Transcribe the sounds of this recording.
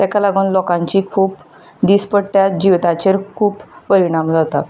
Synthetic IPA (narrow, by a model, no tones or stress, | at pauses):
t̪akalaɡuːnlɔkãɲt͡ɕiːkʰuːp | d̪ispəɽʈ̪jad͡ʑiʋt̪at͡ɕeɾkʰuːpːəɾiɽ̃amd͡zat̪a